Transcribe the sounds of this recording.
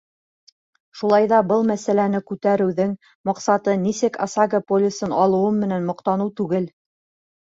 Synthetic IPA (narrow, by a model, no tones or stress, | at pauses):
ʃulˠɑjðɑbɤlˠmæsælænɘkʉt̪æɾɘ̆wðɘŋ | mɑqsɑt̪ɤnisɘkɑ̰saɡəpolʲɪsɤnɑlˠɤ̆wɤmɘ̆nænmŏqt̪ɑnɤwt̪ʉɡɘl